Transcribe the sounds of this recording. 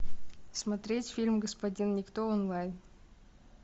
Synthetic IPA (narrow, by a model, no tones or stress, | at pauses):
smɐt̪ɾʲetʲfʲilʲmɡəspɐdʲinnʲɪkt̪oonlˠajn